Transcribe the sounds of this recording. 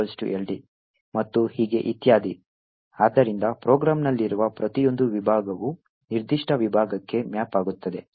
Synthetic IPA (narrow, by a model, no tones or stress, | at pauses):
ɐlsʈṵʔelɖi | mɐt̪ːuhiːɡe̞ʔit̪jaːd̪ʱi | aːd̪ɐɾind̪ɐpɾoːɡɾaːmnɐlːiɾuʋɐpɾɐt̪ijo̞nd̪uʋibʱaːɡɐʋu | niɾd̪iʂʈʰɐʋibʱaːɡɐkːe̞mjaːpaːɡut̪ːɐd̪e̞